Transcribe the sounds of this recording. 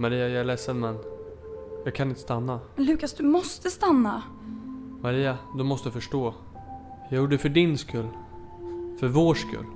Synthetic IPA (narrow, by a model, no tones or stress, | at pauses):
maɾiːajɑlɛsːəd̪mɛnː | jɑːɡkʰanɪnt̪ə̥st̪anːalʉ̟ːkasd̪ɵmɔst̪əst̪anːa | maɾiːad̪ɵmɔst̪əd̪afœʂʈoː | jɑːɡjʊːɖəfœɖɪnskɵlː | fœɾvoːʂkɵ̰lː